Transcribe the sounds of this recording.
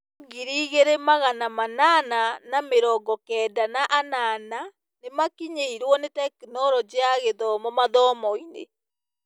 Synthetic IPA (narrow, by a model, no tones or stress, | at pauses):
ɡiɾiːɣeɾemaɣanamanananameɾɔːɡɔkɛːdanaʔanana | nemakiɲeiɾwɔnetɛkinɔɾɔd͡ʑeaɣeðɔmɔmaðɔːmɔinḛ